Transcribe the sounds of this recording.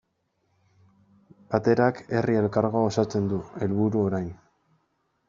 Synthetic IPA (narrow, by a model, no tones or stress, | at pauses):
bat̪e̞ɾake̞rie̞lkaɾɣo̞aosat͡se̞nd̪ue̞lβuɾuo̞ɾajn